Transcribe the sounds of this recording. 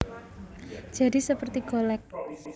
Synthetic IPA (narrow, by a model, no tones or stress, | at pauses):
d̥d͡ʒ̥a̤disəpərt̪iɡ̥olɛk̚